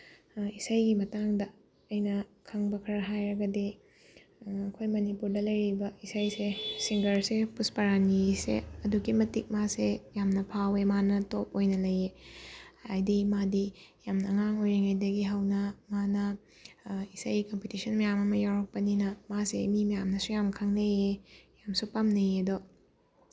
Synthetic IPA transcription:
isajɡimɐtaŋdɐ | ɐjnɐkʰɐŋbɐkʰɐɾɐɦajɾɐɡɐdi | ɐkʰojmɐnipuɾdɐlɐjɾibɐisajsesiŋɡɐɾsepuspɐɾanisḛɐduɡimɐtik̚masejamnɐpʰawemanɐtop̚ojnɐlɐje | ajdimadijamnɐːŋaŋojɾeŋɐjdɐɡiɦawnɐmanɐ | isajɡikompitisʰɐnmɐjamɐmɐjawɾɐk̚pɐninɐmasḛmimɐjamnɐsujamkʰaŋnɐjejamsupamnɐjedo

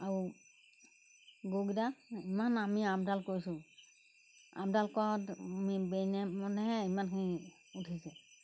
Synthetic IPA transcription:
aɹu | ɡoɡidaimanamiamdalkoɹisʊ̃ | a̰bdalkɔtmibɛnɛmɔnɛɦɛimankʰini | utʰisɛ

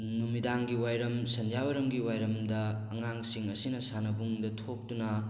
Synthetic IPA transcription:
numidaŋɡiwajɾɐmsɐnd͡ʒawɐɾɐmɡiwajɾɐmdɐː | ŋaŋsiŋɐsinɐsanɐbuŋdɐtʰok̚tunɐ

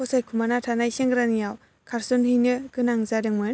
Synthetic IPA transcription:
ɔsajkʰumanatʰanajseŋɡɯɾanijaw | kʰaɾsɯnhɯjnɯɡɯnaŋzadɯŋmɯn

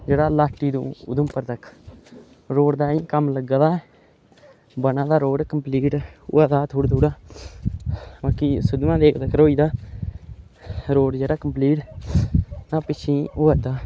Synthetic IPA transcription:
d͡ʒeːɽaːlaːʈːiːd̪ṵ̃ːʊ̰d̪ʊmpəɾt̪əkʰ | ɾoːɽd̪aːĩːkəmləɡd̪aː | bənãːd̪aːɾoːɽkəmpliːʈʊ̰aːt̪aːt̪ʰuːɽd̪uːɽaː | baːkiːsʊd̪ʋãːd̪eːkʰt̪əkʰɾoːiːd̪aː | ɾoːɽd͡ʒeːɽaːkəmpliːʈ | nãːpɪt͡ʃʰĩːoːəd̪aː

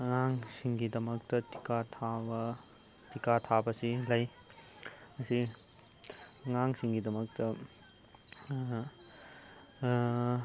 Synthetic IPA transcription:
ŋaŋsiŋɡidɐmɐk̚tɐti̥katʰabɐ | tikatʰabɐsilɐj | mɐsi | ŋaŋsiŋɡidɐmɐk̚tɐ

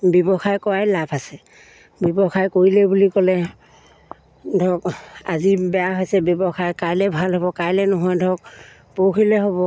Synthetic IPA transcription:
bɔbɔxajkɔɹajlapʰasɛ | bɔbɔxajkoɹilɛbulikɔlɛ | dʱɔka̰zibɛjaɦojsɛbjɔbɔxajkajlɛbʱalɦɔbɔkajlɛnɔɦɔjdʱɔk̚ | pokʰilɛɦɔbɔ

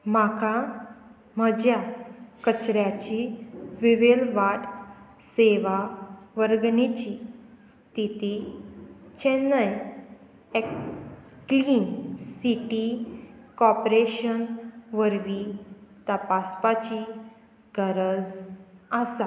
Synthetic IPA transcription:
m̤akʰa | məd͡ʑjakət͡ɕɾjat͡ɕiʋiʋelʋaʈ | seʋaʋəɾɡnit͡ɕi | st̪ʰit̪i | t͡ɕɛnːaj | ekː | liːnsiʈikɔpɾeɕənʋəɾʋit̪əpaspat͡ɕi | ɡəɾəd͡zasa

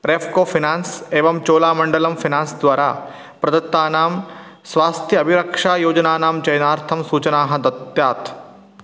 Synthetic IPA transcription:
ɾeːfkoːfʰinaːnseːʋɐmt͡ʃoːlaːmɐɳɖɐlɐmfinãːnsd̪ʋaːɾaː | pɾɐd̪ɐt̪ːaːnaːm | sʋaːst̪ʰjəɐbʱiɾɐkʂaːjoːd͡ʒnaːnaːmt͡ʃɐjnaːɾt̪ʰɐmsuːt͡ʃɐnaːɦɐ̆d̪ɐt̪jaːt̪

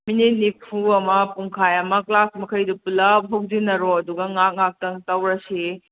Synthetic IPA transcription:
minit̚nipʰuɐmɐpuŋkʰajɐmɐklasmɐkʰɐjdupulɐp̚ɦɐwzinɐɾɔɐduɡɐŋak̚ŋak̚tɐŋtɐwɾɐsi

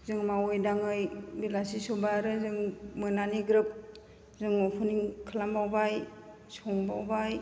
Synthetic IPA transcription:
zɯŋmawɯjdaŋɯjbilasisobaɾɯzɯŋmɯnaniɡɾɯp̚ | zɯŋɔpʰuniŋkʰɯlambawbaj | sɔŋbawbaj

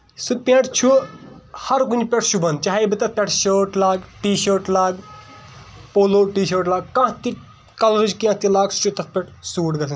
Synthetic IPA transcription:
supʲẽːʈt͡ʃʰu | hɐɾkunʲpʲeʈʰʃʰubɐnt͡ʃaɦibɨt̪ɐpʲeʈʰʃəːʈlaːɡʈiːʃəːɾʈlaːɡ | poːloːʈiːʃəːʈlaːɡ̚kãːt̪i | kɐlɾid͡ʒkiãt̪ilaːɡsʈit̪ɐfpʲeʈʰsuːʈɡɐln

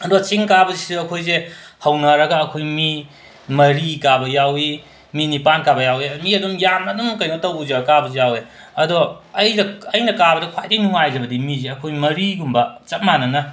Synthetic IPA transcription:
ɐdot͡ʃiŋkabɐzisuɐkʰojze | hɐwnɐɾɐɡɐːkʰojmi | mɐɾikabɐjawi | minipankabɐjawimiɐdumjamɐdumkɐjnotɐwzɐɡɐkabɐzijawe | ɐdoɐjzɐɐjnɐkabɐdɐkʰwajdinuŋajzɐbɐdimizeɐkʰojmɐɾiɡumbɐt͡ʃɐt̚manɐnɐ

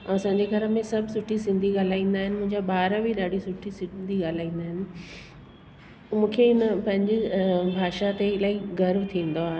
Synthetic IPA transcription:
ɐsãːɲd͡ʑeɡʱɐɾəmẽsɐbʱsʊʈʰisɪ̃nd̪ʱiɠaːl̤aːĩːn̆d̪aːɦɪnɪ̆mʊ̃ɦɪ̃ɲd͡ʑaɓaːɾəbʱiɗaːɽisʊʈʰisɪnd̪ʱiɠaːl̤aːĩːnd̪aːɦɪnɪ̆ | mũːkʰeɪnəpɐ̃ɦɪ̃ɲd͡ʑɪbʱaːʃat̪eɪlaːiɡɐɾʋt̪ʰĩːn̆d̪oaːɦe

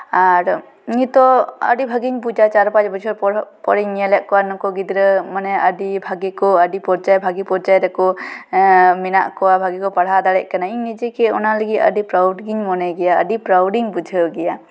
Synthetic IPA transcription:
aɾ | ɲit̪ɔə̰ɖibʱaɡiɲbud͡ʒat͡ʃaɾɔpad͡ʒbɔd͡ʒʰɔɾɔpɔɾiɲːjalɛʔkɔwanɔkɔɡid̪ɾəmanɛədibʱaɡikɔəɖipɔɾd͡ʒajbʱaɡipɔɾd͡ʒajɾɛkɔ | mɛnaʔkɔwabʱaɡikɔpaɽɦad̪aɽɛʔ̚kanaiŋnid͡ʒɛkɛɔnaləɡiə̰dipɾawɖɡiɲmɔnɛɡɛjaə̰dipɾawɖiŋbud͡ʒʱəɡɛja

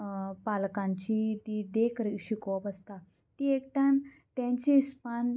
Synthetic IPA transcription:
palkãɲt͡ɕit̪id̪ekəɾiɕikʋəpəst̪a | t̪iekʈãn | t̪ãɲt͡ɕiːspan

